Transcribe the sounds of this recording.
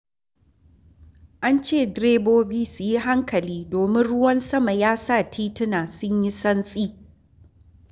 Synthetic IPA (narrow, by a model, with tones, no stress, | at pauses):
ʔa˦nt͡ʃeː˦˨dɾeː˦boː˦biː˦su˨ji˦ɦa˦ŋkɐ˨liː˦doː˨mɪ˦nɽʊ˦wɐ˦nsɐ˦ma˨jaː˦sa˦˨tʰiː˦tɪ˦naː˨sʊ˦ɲji˦sɐ˦nsʼiː˦